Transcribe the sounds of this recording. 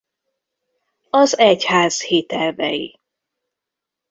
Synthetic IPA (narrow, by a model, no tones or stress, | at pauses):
ɒzɛchaːz̥heːt̪ɛlvɛ̰jḭ